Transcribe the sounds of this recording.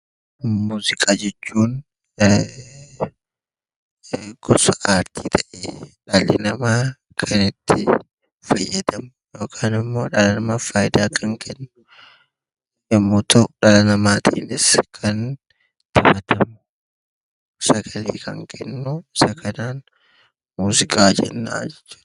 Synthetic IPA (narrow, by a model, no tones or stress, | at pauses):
muːzɪkʼaːd͡ʒɛt͡ʃːuːn | ɡ̥ɔsɐʔaːɾt̪ʰiːt̪ʰɐʔeːᶑaːlɪnɐmaː | kʰɐnɪt̪ːɪ | fɐjːɐd̪ɐmʊjo̞ːkʰaːnɪmːo̞ːᶑɐlɐnɐmaːfaːjɪd̪aːkʰɐŋkʰɛnːʊ̥ | ɪmːot̪ʰɐᶑɐlɐnɐmaːt̪ʰḭːnɪskʰɐn | t̪ʰɐbɐt̪ʰɐmʊ | sɐɡɐlḛːkʰɐ̰ŋkʰɛnːʊɪsɐkʰɐnaːn | muːzɪkʼaːd͡ʒɛ̰nːa̰ːd͡ʒɛt͡ʃːu̥ːd̪